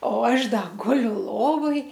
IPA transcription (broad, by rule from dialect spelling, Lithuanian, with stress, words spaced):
oː ˈɐʃ ˈdɐ ˈɡʊlʲʊ ˈlˠoːʋoːj